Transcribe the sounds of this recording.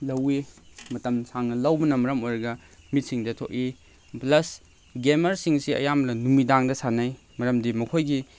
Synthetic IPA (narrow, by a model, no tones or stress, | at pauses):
lɐwimɐtɐmsaŋnɐlɐwbɐnɐmɐɾɐmojɾɐɡɐ | mit̚siŋdɐtʰo̰ʔi | plɐs | ɡemɐɾsiŋsiɐ̰jamlɐnumidaŋdɐsanaj | mɐɾɐmdimɐkʰojɡi